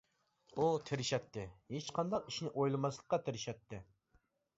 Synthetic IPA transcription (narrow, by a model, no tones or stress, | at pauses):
ut̪ʰɪɾɪʃɛt̪ʰːɪhet͡ʃqʰɑnd̪ɑqiʃnɪʔojlˠɨmɑslˠə̥qːɑt̪ʰɪɾɪʃɛt̪ːɪ